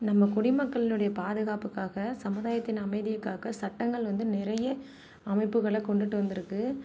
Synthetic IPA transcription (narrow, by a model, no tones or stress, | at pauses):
nɐmːɐkʊɽɪmɐkːɐɭɪnɯɽɐjɐpaːðɯɣaːpɯkːaːɣɐsɐmɯðaːjɐt̪ːɪnɐmɐɪðɪjɯkːaːɣɐsɐʈːɐŋɡɐɭʋɐnd̪ɯnɪɾɐjɐ | ɐmɐɪpːɯɣɐɭɛkɔɳɖɯʈːɯʋɐnd̪ɪɾɯkːɯ